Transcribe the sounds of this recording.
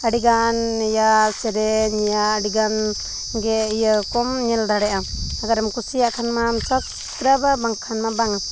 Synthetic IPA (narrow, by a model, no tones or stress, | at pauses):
aɽiɡanjasɛɾɛɲɛjaɖiɡan | ɡɛijəkɔmɲɛldaɽɛʔaaɡaɾamkusijaʔkʰanmamsɔk | kɾababaŋkʰanmabaŋa